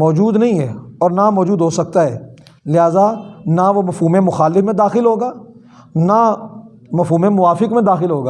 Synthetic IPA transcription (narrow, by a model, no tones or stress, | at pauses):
mɔːd͡ʒuːd̪nɐɦĩɦɛːɔːɾnamɔːd͡ʒuːd̪ɦoːsɐk̚t̪aɦɛː | lɪɦaːzanaʋomɐfɦuːmemʊxaːlɪfmẽd̪aːxɪlɦoːɡaː | na | mɐfɦuːmemʊʋaːfɪkmẽd̪aːxɪlɦoːɡaː